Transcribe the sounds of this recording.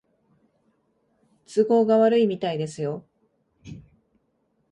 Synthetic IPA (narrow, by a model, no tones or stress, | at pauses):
t͡sɨɡo̞ːɡaβaɾɯ̟imʲit̪aid̪e̞sɨjo̞